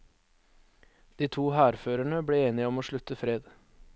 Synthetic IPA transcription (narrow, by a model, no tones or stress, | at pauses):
d̪̥iːt̪ʰuːhæːɾføːɾæɳəbɽeːeːnɪəɔmoːʃɭʉt̪əfɾeːd̪